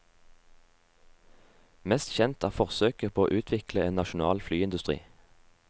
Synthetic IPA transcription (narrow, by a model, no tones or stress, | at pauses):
mɛst̪çɛnt̪ʰæːʁfɔʁsøːkəpʰoːo̰ːʔʉːt̪ʰʋɪkləeːnɑʃʊnɑ̰ːlflyːɪnd̪ʉst̪ʁḭː